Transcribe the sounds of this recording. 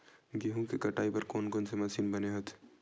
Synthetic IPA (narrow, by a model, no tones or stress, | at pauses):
ɡiɦũkikɐʈaːipɐɾkoːnkoːnsemɐsiːnbɐneɦɐt̪ʰ